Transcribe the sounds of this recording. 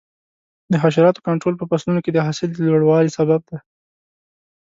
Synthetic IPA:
d̪əɦaʃ̬aɾɑt̪o̥kaɳʈɾolpəpaslunoked̪əɦɑsɪld̪əlwaɽwɑlisabab̚d̪a

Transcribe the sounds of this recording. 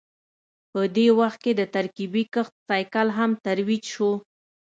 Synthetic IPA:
pəd̪ewaxt̪̚ked̪ət̪aɾkibikəxt̪sajkalɦamt̪aɾwid͡ʒʃo

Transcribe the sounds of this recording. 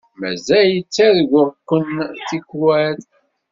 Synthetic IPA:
mæ̰zæjət͡sːæðɡʷʊɾkːəntikːwæð

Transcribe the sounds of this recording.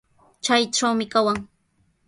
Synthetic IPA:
t͡ʃajʈ͡ʂawmɪkawaŋ

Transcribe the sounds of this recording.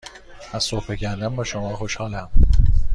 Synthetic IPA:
æzsopecʰænd̪ænbɒːʃomɒːxoʃhɒːlæm

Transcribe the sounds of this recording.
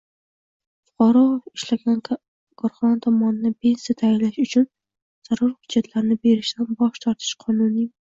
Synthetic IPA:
fʊ̥qʰɑɾɒɪʃlaɡʲan | kʰɒɾχɒnat̪ʰɒmɒnɪnapʰe̞nsjat̪ʰajɪnlaʃʊt͡ʃʰʊn | z̥aɾʊɾhʊd͡ʒːat̪ʰlaɾɪnɪbe̞ɾɪʃt̪anbɒʃt̪ʰɒɾt̪ʰɪ̥ʃqʰɒnʊnɪ

